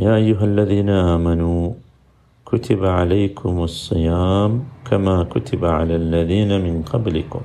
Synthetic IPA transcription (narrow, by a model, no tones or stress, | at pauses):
jaːʔajːʊɦalːaðiːnaʔaːmanuː | kʊt̪ɪbʕalajkʰʊmɑsˤːɨjaːmkamaːkʊt̪ɪbaʕa̰lalːaðiːnamɪnqɑblɪ̰kʊ̰m